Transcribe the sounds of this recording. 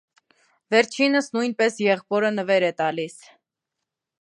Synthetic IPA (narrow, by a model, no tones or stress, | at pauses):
vɛɾt͡ʃʰinəsnujnpɛsjɛʁpɔɾənəvɛɾɛt̪ɑlis